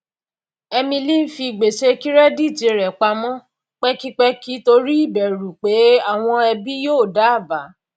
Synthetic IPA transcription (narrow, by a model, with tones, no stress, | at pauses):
ɛ˧mĩ˧li˦n̩˦fi˧˨ɡ͡be˨ʃe˧ki˦ɾɛ˦di˦˨d͡ʒe˧ɾɛ˨k͡pa˧mɔ̃˦ | k͡pɛ˦ki˦k͡pɛ˧ki˨˦to˧ɾi˦i˦˨bɛ˨ɾu˨k͡pe˨˦a˦˨w̃ɔ̃˧ɛ˧bi˦joː˦˨da˨˦a˦˨ba˨˦